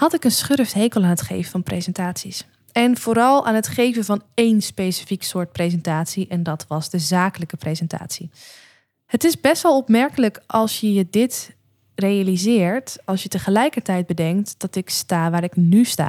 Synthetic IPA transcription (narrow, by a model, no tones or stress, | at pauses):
hɑtɪkənsχørftɦejkəlˠaːnətχḛjvəvɑnprejzɛntaːtsis | ɛnv̥oːɾɑlˠaːnɦətχejvəvɑnejnspejsi̥fiksʊːɹt̚prezɛntaːtsiʔɛndɑtʋɑzdəzaːkələkəprezɛnta̰ːtsi | hətɪzbɛstʋɛlˠɔpmɛɹkələkɑlˠsjəjədɪt | rejalizɪːɹtɑlˠsjətəχəlɛjkəɹtɛjd̚bədɛŋk̚td̥ɑtɪkstaːʋaːɾɪknysta̰ː